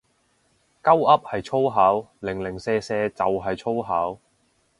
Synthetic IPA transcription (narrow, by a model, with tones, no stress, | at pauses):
kɐ˥wɐ˥p̚hɐ˨jt͡ʃʰo˥wɦaː˨˥wlɪ˨˩ŋlɪ˨˩ŋsɛː˧sɛː˧t͡sɐ̰˨wɦɐ˨jt͡ʃʰo˥wɦaː˨˥w